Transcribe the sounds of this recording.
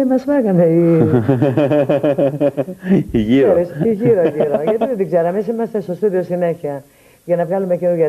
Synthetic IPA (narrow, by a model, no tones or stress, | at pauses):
emɐsmɐkɐnei | iʝiɾosiʝiɾoʝiɾoʝɐt̪iðet̪iɡzeɾɐmesimɐst̪est̪ost̪oðiosine̞çiɐ | ʝɐnɐvɣɐlume̞cenuʝɐ